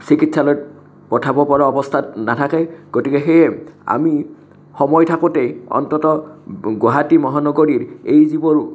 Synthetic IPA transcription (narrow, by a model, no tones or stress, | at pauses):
sikitsalɔj̚ | pɔtʰabɔpɔɹaɔbɔstʰatnatʰakɛɡ̥otikɛxejɛa̰mi | xɔmɔjtʰakʊtejɔ̰ntɔtɔɡoɦatimɔɦanɔɡoɹiɹejzibɔɹ